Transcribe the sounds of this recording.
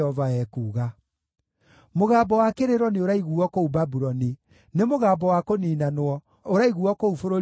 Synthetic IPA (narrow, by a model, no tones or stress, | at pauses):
ɔvaɛkuːɣa | moɣaːbɔwakeɾeɾwɔneoɾaiɣuɔkoubabuɾɔni | nemoɣaːbɔwakoniːnanowɔ | oɾaiɣuɔkoufoɾo